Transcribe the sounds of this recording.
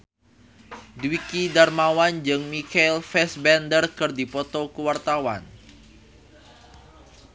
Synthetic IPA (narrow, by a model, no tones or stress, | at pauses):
dwikidarmawand͡ʒɨŋmikalfɛsbɛndərkɨrdipɔt̪okəwart̪awan